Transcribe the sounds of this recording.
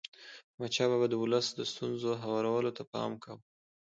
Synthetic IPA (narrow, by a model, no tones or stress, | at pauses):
mat͡ʃɑβabad̪əwʊləsd̪əst̪unzoɦawɑɾawəlot̪apɑ̰mkaw